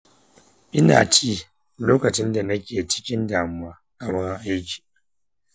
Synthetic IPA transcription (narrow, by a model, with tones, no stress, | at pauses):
ʔɪ˦na̰ː˨t͡ʃiː˦ | loː˦kɐ˨t͡ʃɪ˦nda˨nɐ˦kʲeː˨t͡ʃɪ̥˦kʲɪ˦ndaː˨mʊ˦waː˦ʔa˨mɐ˦ɾʔa˦jkʲi̥ː˨